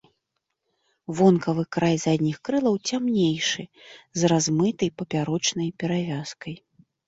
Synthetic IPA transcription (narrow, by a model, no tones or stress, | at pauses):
vɔnkɐvɨkɾajzad̪ʲnʲixkɾɨlˠɐwt͡sʲamnʲejʂɨzrazmɨt̪ɐjpɐpʲaɾɔt͡ʂnɐjpʲɛɾavʲaskɐj